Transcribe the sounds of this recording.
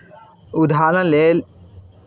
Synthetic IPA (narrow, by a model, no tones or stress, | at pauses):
ud̪ʱaːnɐleːl